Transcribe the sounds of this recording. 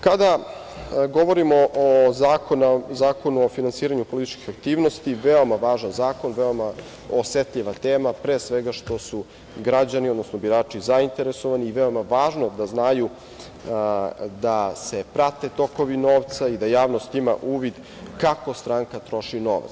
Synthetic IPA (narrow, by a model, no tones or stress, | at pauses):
kad̪a | ɡo̞ʋo̞ɾimoʔozaːkonazaːko̞nuofinansiːɾaɲupo̞lit̪i̥t͡ʃki̥xak̚t̪iːʋnost̪iʋeo̞maʋaːʒanzaːko̞nʋeoma | oset̪ʎiʋat̪eːmapɾeːsʋeɡaʃt̪o̞su | ɡɾad͡ʑaniod̪nosnobiɾaːt͡ʃizaint̪e̞ɾeso̞ʋaniːʋeo̞maʋaːʒnod̪aznaju | d̪asepɾat̪e̞t̪o̞ko̞ʋino̞ːʋt̪said̪ajaːʋnost̪ima̰ʔuːʋid̪ | kako̞st̪ɾaːŋkat̪ɾo̞ʃino̞̰ʋa̰t̪s